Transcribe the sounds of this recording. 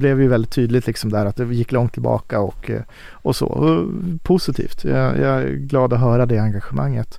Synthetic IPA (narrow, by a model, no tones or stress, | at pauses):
blɛvɛjɵvɛld̪ɪt̪ʰːyːd̪lɪt̪lɪksɔmd̪ɛæːɾat̪̚d̪ɛjɪkːlɔŋt̪ʰːɪlbɑ̰ːkaɔk | ɔso̰ːɔ̰pʰʊsɪt̪ʰḭːft̪jɑ̰jɑ̰æ̰ɡlɑːd̪ɔɦœːɾad̪ɛaŋɡaɧəma̰ŋːət̪